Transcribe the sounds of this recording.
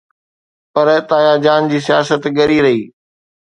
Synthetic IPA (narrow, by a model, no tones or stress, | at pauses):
pɐɾt̪aːjaːd͡ʑaːnd͡ʑiːsijaːsət̪ɠɐɾiɾɐɦiː